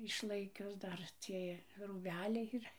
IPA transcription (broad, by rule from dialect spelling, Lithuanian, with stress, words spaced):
ɪʃˈlˠɐɪkʲʊs ˈdɐr ˈt͡sʲiɛj ruːˈbʲæːlʲɛɪ iːˈrɐ